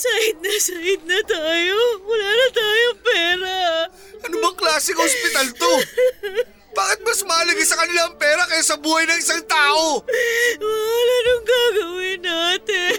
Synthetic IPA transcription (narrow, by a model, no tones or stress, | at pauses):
sajɪd̪̚nɐsajɪd̪̚nɐt̪aːjomʊlaːnɐt̪aːjoŋpɛːɾa | ʔɐnʊbɐŋklaːsɪŋhospɪt̪alt̪o | b̥aːkɪt̪̚mɐsmɐɐlɐɡɪsɐkɐnɪlaɐŋpɛːɾɐkɐjasɐbuːhɐjnɐŋʔɪsaŋt̪aːʔo̞ | mɐalanʊŋɡaːɡɐwɪnaːt̪ɛ